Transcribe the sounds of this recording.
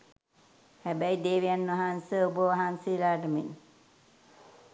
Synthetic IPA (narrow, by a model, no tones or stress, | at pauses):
hæbæjd̪eːʋijanːʋɐɦansəubəʋaɦansəilaːʈəmin